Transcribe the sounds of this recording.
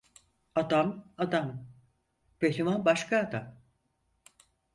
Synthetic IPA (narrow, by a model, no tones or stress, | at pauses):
ad̪amad̪am | behimanbaʃkʰaːd̪am